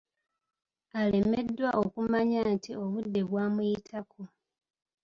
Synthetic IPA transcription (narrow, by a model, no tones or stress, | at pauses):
ale̞me̞dːwaʔo̞kumaɲaːntio̞βudːe̞βwaːmujitʰakʰo